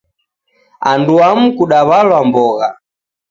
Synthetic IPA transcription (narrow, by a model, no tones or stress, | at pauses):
anduam̩kuɗaβalwambɔɣa